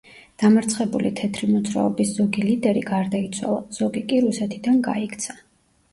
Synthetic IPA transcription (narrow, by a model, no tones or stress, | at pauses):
d̪̥amaɾt̪sʰχɛbulit̪ʰɛt̪ʰɾimɔt̪sɾa̰ɔbisz̥ɔɡilid̪ɛɾiɡaɾd̪ait̪sʰwa̰lˠaz̥ɔɡikʼiɾusɛt̪ʰid̪anɡa̰ikʰt̪sʰa